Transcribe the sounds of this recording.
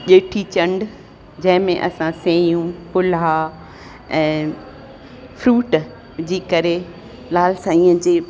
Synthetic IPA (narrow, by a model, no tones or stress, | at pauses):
ɗeːʈʰit͡ɕɐ̃ɳɖ | d͡ʑɐ̃ɦɪ̃mẽʔɐsãsẽːjũpʊla | ɛ̃ː | fɾuːʈ | d͡ʑiːkɐɾe | laːlsaːĩːə̃d͡ʑeː